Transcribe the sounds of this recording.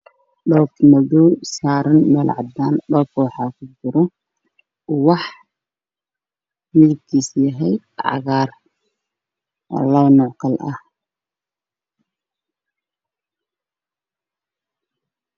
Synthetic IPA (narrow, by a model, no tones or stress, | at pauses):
ɗɔːkmɐðuwsaːɾɐnmɛːlʕɑ̰d̪aːnɗɔːkʰwɑħɑːkʰʊd͡ʒɪɾɔ | wɑħ | mɪðɪb̚k̪ʰiːsjɐɦɛj | ʕɑ̰ɣaːr | lɐwnɔʕkʰɐlʔɐ̰h